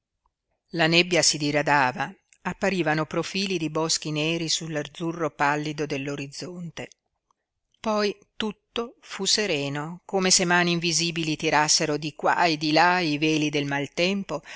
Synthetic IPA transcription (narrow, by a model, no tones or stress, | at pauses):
lanebːjasid̪iɾad̪aːva | apːaɾiːvanopɾofiːlid̪ibɔsk̟inɛːɾisulːard̪zurːopalːid̪od̪elːoɾid̪zːont̪e | pɔj | t̪ut̪ːofuseɾɛːnokoːmesemaːniːɱviziːbilit̪iɾasːeɾod̪ikwa̰ed̪ilaivɛːlid̪elmalt̪ɛmpo